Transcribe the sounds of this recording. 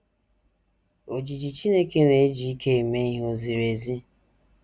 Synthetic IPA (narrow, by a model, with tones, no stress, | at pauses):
o˨d͡ʒi˨d͡ʒi˨t͡ʃi˦ne˦ke˦ɾe˨˦d͡ʒi˨i˦kʰe˦e˨me˦i˦ɦo˨zi˨ɾe˨zi˦